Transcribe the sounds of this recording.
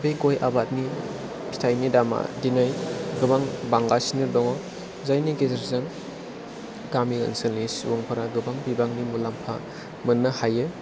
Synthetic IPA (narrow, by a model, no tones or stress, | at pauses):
beɡojʔabat̚ni | pʰi̥tʰajnidama̰dinajɡɯbaŋbaŋɡasiniɾdɔŋɔ | zajniɡezeɾzan | ɡamilɐ̰nsɯniswoŋpʰɐɾaɡɯbaŋbibaŋnimulampʰa̰ | mɯnːɐhajɯ